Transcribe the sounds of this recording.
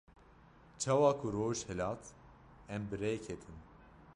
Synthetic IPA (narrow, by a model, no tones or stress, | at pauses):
t͡ʃʰɑːwɑːkʰuɾoːʒhɛlɑːt̪ʰ | ɛmbɨɾɛjkʰɛt̪ʰin